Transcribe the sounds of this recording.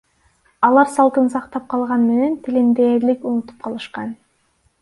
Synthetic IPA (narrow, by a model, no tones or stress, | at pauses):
ɑlˠɑɾsɑlˠt̪ɯnsɑqt̪ɑp̚qʰɑlˠʁɑnme̞nent̪ʰilind̪eːɾlikunut̪u̥p̚qʰɑlˠɯʃqɑn